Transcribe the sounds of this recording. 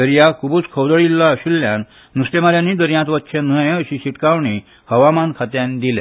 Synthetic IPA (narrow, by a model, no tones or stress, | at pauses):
əɾijakʰubuːt͡skʰəwd̪əɭilːaəɕilːjanː | ust̪emaɾjanːiːd̪əɾjãt̪ʋətːɕʰenəjəɕiɕiʈkaʋɳi | həʋamankʰat̪jãnd̪ilḛ